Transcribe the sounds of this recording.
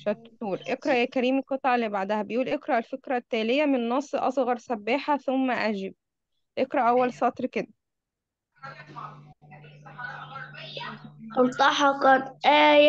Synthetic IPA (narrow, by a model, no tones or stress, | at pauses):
ʃæt̪ːuːɾʔekɾˤæʔjæːkæɾiːmiqɑt̪ˤʕɑlːibaʕd̪æhæbejʔuːlʔekɾɑʔelfekɾæt̪ːæːlejæmennːɑsˤːʔɑ̰sˤɣɑɾˤsæbːeːħaθomːæʔæd͡ʒɪb̚ | ʔekɾˤɑʔæwːælsɑt̪ˤɾked̪æ | ʔɑlt̪ˤːɑħɑqɑt̪ʔæːj